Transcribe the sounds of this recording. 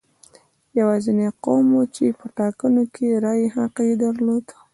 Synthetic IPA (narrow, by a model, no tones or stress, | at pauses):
jawɑzineqomwot͡ʃepəʈɑkənokʰeɾɑjehaqed̪aɾlod̪